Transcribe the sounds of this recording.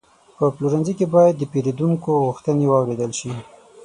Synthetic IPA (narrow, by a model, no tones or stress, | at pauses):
pəpluɾanzikebɑjad̪ːəpeɾed̪uŋkoɣuxt̪ənewɑwɾed̪əlʃi